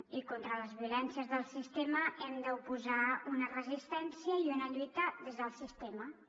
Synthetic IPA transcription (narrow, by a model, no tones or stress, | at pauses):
ikont̪ɾələzβiulɛnsiəzðəlˠsist̪eməɛmd̪əupuzaunərəzist̪ɛnsiəiunəʎut̪əðezðəlˠsist̪emə